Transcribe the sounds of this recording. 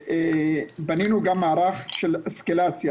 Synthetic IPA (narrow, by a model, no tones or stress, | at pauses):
baninuɡamːaːɾaχʃeleskelat͡sja